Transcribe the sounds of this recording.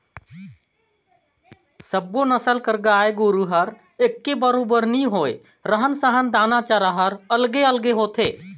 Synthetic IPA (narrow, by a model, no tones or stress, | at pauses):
səbːonəsəlkəɾɡaːeɡoɾuɦəɾ | ekːebəɾobəɾniɦoːe | ɾəɦənsəɦənd̪aːnat͡ʃaɾaɦəɾəlɡeəlɡeɦoːt̪ʰeː